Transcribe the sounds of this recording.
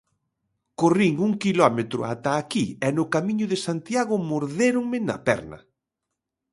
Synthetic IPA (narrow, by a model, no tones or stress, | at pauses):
koriŋuŋkilɔmet̪ɾʊ̰at̪aːkiɛnʊkamiɲʊðesant̪jaɣʊmoɾðeɾʊŋmɪnɐ̰pɛ̰ɾnɐ̰